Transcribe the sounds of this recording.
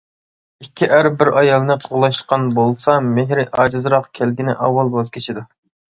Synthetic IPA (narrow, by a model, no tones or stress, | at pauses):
ikʲʰːiʔæɾbɪɾɑjɑlˠnɨqʰoʁlˠɑʃqɑnbolˠsɑmeɦɾɪʔɑːd͡ʒɨzɾɑqkʲʰælɡʲinɪ̰ʔɑwːɑlˠbɑzkʲʰet͡ʃʰid̪u